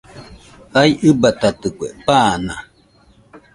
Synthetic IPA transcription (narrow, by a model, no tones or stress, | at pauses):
ajʔɨbat̪at̪ɨkʷḛpaːna